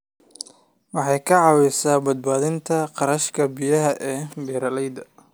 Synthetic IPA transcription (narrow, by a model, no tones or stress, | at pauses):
wɑħɑjkʰɐʕɑːwɛsaːbɐd̪̚baːðɪnt̪ʰɐqɑɾɐʃkʰɐbijɐɦɐʔɛːbɛːɾɐlɛjd̪ɐ